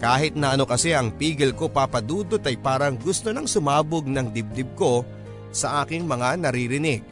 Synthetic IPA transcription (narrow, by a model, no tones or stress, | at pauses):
kaːɦɪt̪̚nɐʔɐno̞kɐsɛʔɐŋpiːɡɛlko̞papɐd̪uːd̪o̞t̪ɐjpaːɾɐŋɡʊst̪o̞nɐŋsʊmaːboɡ̚nɐŋd̪ɪb̚d̪ɪb̚ko̞ | sɐʔaːkɪŋmɐŋanɐɾiːɾɪnɪɡ̚